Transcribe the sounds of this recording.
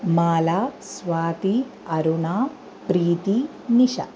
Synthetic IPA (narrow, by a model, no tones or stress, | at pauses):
maːlaːsʋaːt̪i | ɐɾuɳaː | pɾiːt̪i | niʃɐ̰